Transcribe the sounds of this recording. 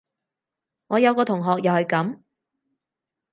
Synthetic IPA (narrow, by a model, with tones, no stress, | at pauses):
ŋɔː˨˧jɐ˨˧wkɔː˧t̪ʰʊ˨˩ŋɦɔː˨k̚jɐ˨whɵ˨˧ɥkɐ˨˥m